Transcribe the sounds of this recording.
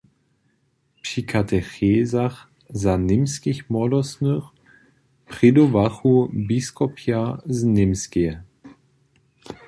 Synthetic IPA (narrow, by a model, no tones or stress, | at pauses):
pʂikʰatʰɛxeːzax | zanɪmskixmɔdɔsnɨx | pʁ̥id̪ovaxubiskɔpʰjaznɪmske